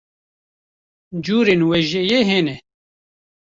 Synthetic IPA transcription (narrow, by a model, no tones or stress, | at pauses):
d͡ʒuːɾeːnwɛʒɛjeɦeːnɛ